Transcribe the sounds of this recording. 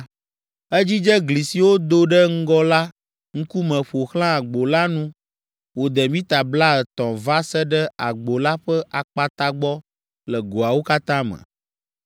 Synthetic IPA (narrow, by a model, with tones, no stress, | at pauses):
ɛ˦d͡ʑi˦d͡ʒɛ˦ɡli˨si˨wo˦d̪o˦ɖɛ˦ŋ̩˦ɡɔ˦la˦ | ŋ̩˦ku˦mɛ̃˨ɸo˨xl̃ã˦a˨ɡ͡bo˨la˦nũ˦ | wo˨d̪ɛ˨mĩ˦t̪a˨bla˦ɛ˨t̪ɔ̃˨va˦sɛ˦ɖɛ˦a˨ɡ͡bo˨la˦ɸɛ˦ʔa˨k͡pa˨t̪a˦ɡ͡bɔ˦ | lɛ˨ɡo˨a˨wo˦ka˦t̪ã˦mə̰˨